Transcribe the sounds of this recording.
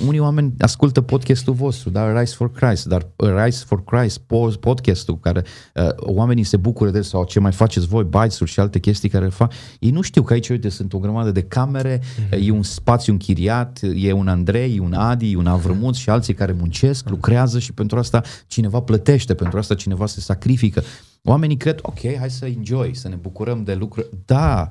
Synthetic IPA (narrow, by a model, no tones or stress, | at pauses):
unijoame̞nʲa̰skult̪əpo̞d̪kʲest̪ulvo̞st̪ɾud̪aəɾajsforkɾajst̪d̪arəɾajsforkɾajspopo̞d̪kʲest̪ukaɾe̞ | ə̰oame̞nise̞bukuɾəd̪esawt͡ʃemajfat͡ʃe̞t̪sʲvo̞jbajsurʲʃialt̪e̞kʲe̞st̪ijkaɾelefak | jejnuʃt̪iwkəait͡ʃo̞jt̪esɨnt̪o̞ɡɾəmad̪əd̪e̞kame̞ɾe̞je̞unspat̪sjuɨŋkʰʲiɾiat̪je̞unand̪ɾe̞junad̪ijunavɾɨmut̪ʃialt̪sijkaɾe̞munt͡ʃe̞sklukɾeazəʃi̥pent̪ɾuast̪at͡ʃine̞vaplət̪e̞ʃt̪epe̞nt̪ɾuast̪at͡ʃine̞vase̞sakɾifikə | o̰ame̞nikɾe̞d̪o̞̰kʲʰe̞jɦajsəind͡ʒo̞jsəne̞bukuɾəmd̪e̞lukɾuɾʲd̪̥a